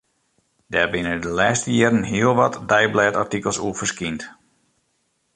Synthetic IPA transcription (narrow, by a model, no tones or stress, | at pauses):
dɛːrbɪnədəlɛːstəjɪːrənɦiəlˠʋɔtdɛjblɛːtartikəlˠsuəfərskint